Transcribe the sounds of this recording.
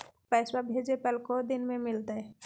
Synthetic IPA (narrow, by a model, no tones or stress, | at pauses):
pɛːswabʱeːd͡ʒepəlkod̪ɪnmẽmɪlt̪aɦɛ